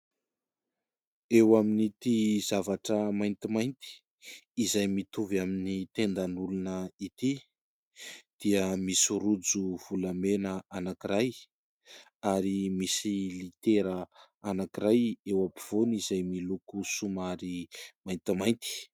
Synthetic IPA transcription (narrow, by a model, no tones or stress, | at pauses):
ewaminit̪izavaʈ͡ʂəmajnt̪imajnt̪i̥ː | zajmit̪uvaminit̪end̪anulunəit̪i | d̪̥iəmisuɾud͡zuv̥ulamenəanakiɾaj | aɾimisilit̪eɾə | anakiɾajewapiv̥onizajmilukusumaɾimajnt̪imajnt̪i̥